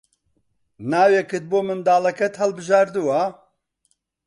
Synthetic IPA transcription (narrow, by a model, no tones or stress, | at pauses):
naːwekʰɨt̪̚boːmɨnd̪aːlɐkɛt̪hɛlbɨʒaːɾd̪uwa